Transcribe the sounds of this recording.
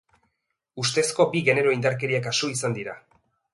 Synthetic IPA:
ust̪e̞sko̞biɣe̞ne̞ɾo̞ind̪aɾk̬e̞ɾiakasoisand̪iɾa̰

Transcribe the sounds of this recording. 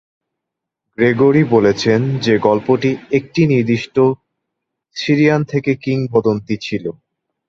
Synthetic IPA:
ɡɾeɡoɾibolet͡ɕʰend͡ʑeɡɔlpoʈiek̚ʈiniɾd̪iʃʈo | siɾiant̪ʰekekiŋpɔd̪ont̪it͡ɕʰilo

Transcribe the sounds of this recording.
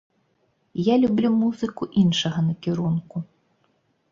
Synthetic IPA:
jalʲublʲumuzɨkuʔinʂɐɣɐnɐkʲiɾunku

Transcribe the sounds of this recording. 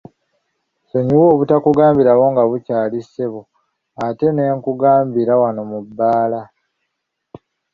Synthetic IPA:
so̞ɲiwoːβutakuɡaːmbiɾaβo̞ŋɡaβucaːliseβo | ate̞ne̞ːŋkuɡaːmbiɾawano̞mubːaːla

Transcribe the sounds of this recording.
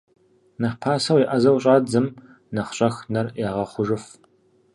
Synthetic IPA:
nɐħpʰaːsɐwiʔɐzɐwɕʼaːd͡zɨm | nɐχɕʼɐxnɐrjaːʁɐχʷʊʒɨf

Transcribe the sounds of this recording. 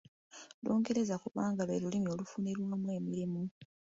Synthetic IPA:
loːŋɡe̞ɾe̞zakuβaːŋɡaβelulimjo̞ːlufuneɾwaːmwe̞ːmiɾimu

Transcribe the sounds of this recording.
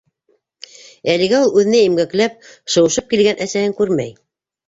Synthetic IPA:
ælɘ̆ɡæulˠʉðɘ̆næimɡæklæp̚ʃɤ̆wɤ̆ʃɤp̚kilɡænʔæsæhɘŋkʉɾmæ̰j

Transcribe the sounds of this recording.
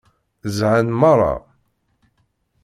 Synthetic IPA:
zʕanmɑrˤːɑ̰

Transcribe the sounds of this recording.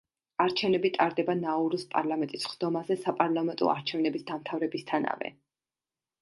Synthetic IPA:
aɾt͡ʃʰɛvnɛbit̪ʼaɾd̪ɛbanauɾispʼa̰ɾlˠamɛnt̪ʼisχd̪̥ɔmazɛsapʼaɾlˠamɛnt̪ʼɔ̰a̰ɾt͡ʃʰɛvnɛbisd̪amt̪ʰavɾɛbist̪ʰana̰vɛ̰

